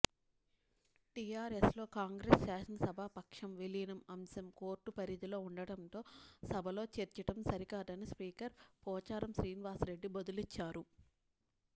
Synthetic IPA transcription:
ʈijaːɾeslo̞ːkaːŋɡɾeːsːaːʃɐnɐsɐbʱapɐkʂɐmʋelinɐmɐmsɐmko̞ːɾʈːupɐɾid̪ilo̞ːuɳɖɐɽɐnt̪o̞ːsɐbʱɐlo̞ːt͡ʃeːɾt͡ʃɐʈɐmsɐɾikaːd̪ɐnispiːkɐɾpɔːt͡ʃaːɾɐmʃɾiːniʋaːsɾe̞ɖːibɐd̪ulit͡ʃːaːɾu

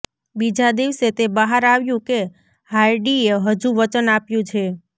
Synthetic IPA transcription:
bid͡ʒad̪iʋset̪ebəɦaɾaʋjũke | haiɖieɦəd͡ʒuʋət͡ʃənapjũt͡ʃʰe

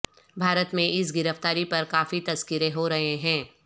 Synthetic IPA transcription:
bʱaːɾət̪mẽʔɪsɡɪɾəft̪aːɾipɐɾkaːfit̪ɐzkɪɾeɦoɾɐɦeɦɛ̃ː

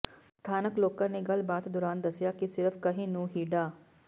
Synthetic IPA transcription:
st̪ʰaːnəkloːkãːneːɡəlbaːt̪d̪ʊɾaːnd̪əsːɪjaːkisɪɾəfʰkəɦĩːnũːɦiːɖaː

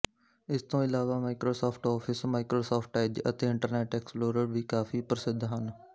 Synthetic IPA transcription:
ɪst̪õːɪlaːʋaːmaːɪkɾoːsaːpʰʈɔːpʰɪsmaːɪkɾoːsaːpʰʈɛːd͡ʒət̪eːɪ̃ɳʈəɾneːʈɛːksploːɾəɽbʱiːkaːfʰiːpəɾəsɪd̪ʱɦən

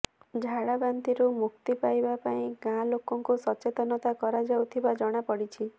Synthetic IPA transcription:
d͡ʒʱaɽaband̪iɾumuk̚t̪ipajbapaĩɡãlokɔŋkusɔt͡ʃet̪ɔnɔt̪akɔɾad͡ʒawt̪ʰibad͡ʒɔɽ̃apɔɽit͡ʃʰi

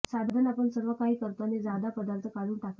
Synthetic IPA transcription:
sabd̪ʱənapəɳsəɾʋəkaɦiːkəɾt̪aned͡zad̪apəd̪aɾt̪ʰəkaluːɳʈak

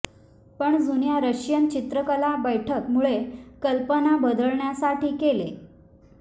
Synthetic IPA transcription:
pəɳd͡zunjaɾəɕjənt͡ɕit̪ɾəkəlabəjʈʰəkmuɭekəlpənabəd̪əɭɳjasaʈiːkelḛ

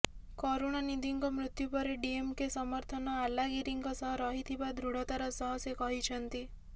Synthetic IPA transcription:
kɔɾoɽ̃anid̪iŋkɔmɾut̪jupɔɾeɖiemkesɔmɔɾt̪ʰɔnɔalaɡiɾiŋkɔsɔɦɔɾɔɦit̪ʰibad̪ʱɾuɽɔt̪aɾɔsɔɦɔsjekɔɦit͡ʃʰɔnt̪i

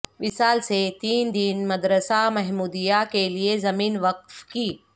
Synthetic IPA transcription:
ʋɪsaːlset̪iːnd̪inmɐd̪ɾəsamɛɦmuːd̪ijakeliezɐmiːnʋɐq̚fkiː

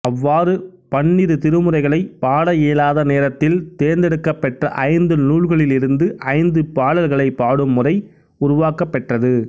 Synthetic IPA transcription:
ɐʋːaːɾɯ | pɐɳːɪɾɯt̪ɪɾɯmɯrɐɪɣɐɭɐɪpaːɽɐjeːlaːðɐneːɾɐt̪ːɪlt̪eːɾnd̪ɛɽɯkːɐpːɛʈrɐʔɐɪnd̪ɯnuːɭɣɐɭɪlɪɾɯnd̪ɯʔɐɪnd̪ɯpaːɽɐlɣɐɭɐɪpːaːɽɯmːʊrɐɪ | ʊɾʊʋaːkɐpːɛʈrɐðɯ

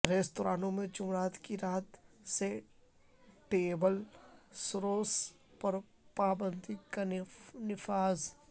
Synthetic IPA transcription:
ɾeːst̪oːɾaːnõmẽd͡ʒʊmɾaːt̪kiɾaːt̪se | ʈeːbəlsʊɾoːs | pɐɾ | paːbə̃nd̪ʱikanɪfaːz

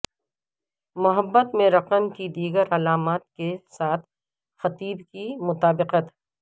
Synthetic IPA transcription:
mʊɦəbːət̪mẽɾɐqəmkid̪iːɡəɾɐlaːmaːt̪̚kesaːt̪ʰ | xɐt̪iːbkimʊt̪aːbɪqət̪

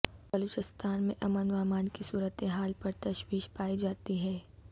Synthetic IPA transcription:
bɐluːt͡ʃɪst̪ʰaːnmẽʔɐmənʋaːmaːnkisuːɾət̪eɦaːlpɐɾt̪ɐʃwiːʃpaːid͡ʒaːt̪iɦɛː

